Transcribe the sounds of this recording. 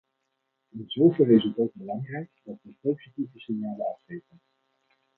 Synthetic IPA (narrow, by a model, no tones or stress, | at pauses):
ɪnzowvɪlˠɪzətot̚bəlɑŋrɛjkdɑtʋəpowz̥itivəsɪnjaːləɑfχejvən